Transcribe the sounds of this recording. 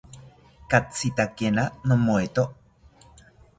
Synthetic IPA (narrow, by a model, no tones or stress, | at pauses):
kat͡sit̪akenanomoet̪oʔ